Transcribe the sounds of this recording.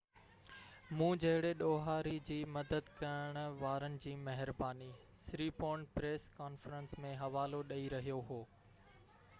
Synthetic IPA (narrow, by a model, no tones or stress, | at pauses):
mũːd͡ʑɐɦɪɽeɗoːɦaːɾid͡ʑiːmɐd̪əd̪kɐəɽ̃ʊʋaːɾənɪ̆d͡ʑiːmɐɦɪɾbaːni | sɾiːpoːɳɖpɾeːskaːnfəɾə̃nsmẽɦɐʋaːloɗɐiɾɐɦijoɦoː